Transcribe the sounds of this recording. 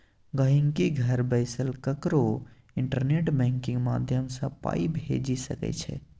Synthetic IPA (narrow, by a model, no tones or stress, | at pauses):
ɡəɦiŋkiɡʱəɾbəɪsəlkəkɾo | iɳʈəɾneʈbɛ̃ŋkĩŋɡma̰d̪ʱjəmsə̃pa̰ibʱḛd͡ʒisəkɛ̰t͡ʃʰɛ̰